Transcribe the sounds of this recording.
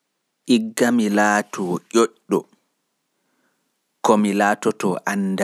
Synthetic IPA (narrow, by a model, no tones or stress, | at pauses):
ʔiɡːamilaːtʰɔʔoʔɔ | kɔmilaːtɔtɔʔanːda